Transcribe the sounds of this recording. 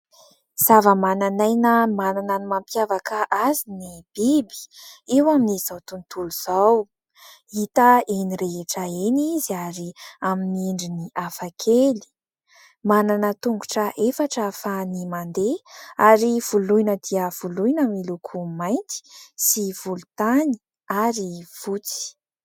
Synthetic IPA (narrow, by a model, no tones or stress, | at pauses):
z̥avəmananajnəmanananimampjavakəʔazinib̥ibi̥ewaminiz̥awt̪unt̪uluz̥aw | it̪əeniɾeɦeʈ͡ʂaeniziaɾiaminiɳɖ͡ʐiniʔafakʰeli̥ | mananət̪uŋɡu̥ʈ͡ʂəʔefaʈ͡ʂafanimand̪eaɾiv̥uluinəd̪iəv̥ulujnəmilukʰumajnt̪i̥siv̥ulut̪ani̥ | aɾiv̥ut͡si̥